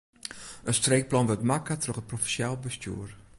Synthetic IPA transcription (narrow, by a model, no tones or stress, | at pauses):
ənstreːk̚plɑnʋətmakatroχət̚profiʃjalˠbəstjṵər